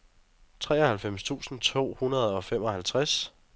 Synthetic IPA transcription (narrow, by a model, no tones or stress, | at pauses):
t͡sʰʁɛ̰ːɐhælfem̰st͡sʰṵːsn̩t͡sʰo̝̰ːhunɐð̞̩ˠɒ̽fem̰ɒ̽hælt͡sʰʁas